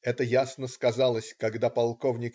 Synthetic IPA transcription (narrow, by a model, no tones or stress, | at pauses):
ɛt̪əjasnəskɐzalˠəsʲkɐɡd̪apɐlˠkovnʲɪk